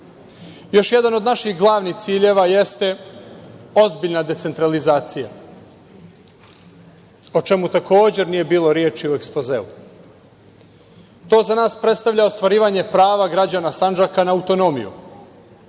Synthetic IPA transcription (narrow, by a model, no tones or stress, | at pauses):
jo̞ʃje̞d̪ano̞d̪naʃixɡlˠaːʋnixt̪siːʎe̞ʋajest̪e̞ | o̞zbiʎʲnad̪e̞t̪se̞nt̪ɾalizaːt̪sija̰ | ot͡ʃe̞mut̪ako̞ːd͡ʑe̞ɾnije̞biːlˠo̞ɾjeːt͡ʃiue̞kspozeːu | t̪o̞ːzanaːspɾe̞t̪st̪aʋʎʲao̞st̪ʋaɾiːʋaɲe̞pɾaːʋaɡɾad͡ʑaːnasand͡ʒakanaːwt̪o̞no̞mḭjṵ